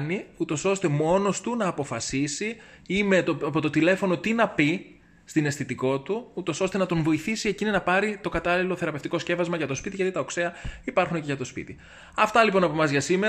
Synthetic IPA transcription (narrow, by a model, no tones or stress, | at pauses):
niut̪o̞so̞st̪e̞mo̞no̞st̪unɐːpo̞fɐsisi | ime̞t̪opo̞t̪o̞t̪ile̞fo̞no̞t̪inɐpi | st̪ine̞sθit̪iko̞t̪uut̪o̞so̞st̪e̞nɐt̪o̞nvo̞iθisiecininɐpɐɾit̪o̞kɐt̪ɐlilo̞θe̞ɾɐpeft̪iko̞sce̞vɐzmɐʝɐt̪o̞spit̪iʝɐt̪it̪ɐokseɐipɐɾxuneceʝɐt̪o̞spḭt̪i | ɐft̪ɐlipo̞nɐpomɐzʝɐsime̞